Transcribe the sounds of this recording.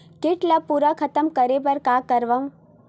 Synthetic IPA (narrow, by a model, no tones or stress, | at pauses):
kɪʈlapuːɾakʰɐt̪əmkɐɾebɐɾkaːkɐɾʋaũ